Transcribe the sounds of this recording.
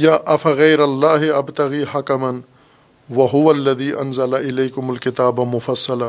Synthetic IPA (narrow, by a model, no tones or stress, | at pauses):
jaːʔɐfaɣɐjɾɐlːaːɦɪʔɐbt̪ɐɣiːhakɐmɐn | wɐɦʊwɐlːɐðiːʔɐ̰nzɐlaʔɪleːkʊmalkɪt̪aːbamʊfɐsːɐla